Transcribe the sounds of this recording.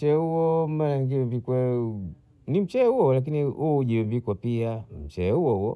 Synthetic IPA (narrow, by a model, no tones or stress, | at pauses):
t͡ʃɛuwɔmalaŋɡiwɛmvikwɛ | nim̩t͡ʃɛhuwɔɔlak̬iniuuʄiwɛmvikwapiam̩t͡ʃɛɛhuwɔhuwɔ